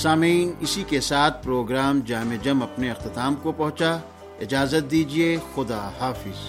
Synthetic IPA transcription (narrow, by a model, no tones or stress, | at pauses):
saːmiːnɪsikesaːt̪̚ʰpɾoːɡɾaːmd͡ʒaːmed͡ʒɐmɐpneɪqt̪ɪt̪aːmkopɐɦʊ̃t͡ʃa | ɪd͡ʒaːzət̪̚d̪iːd͡ʒiexʊd̪aːhaːfɪz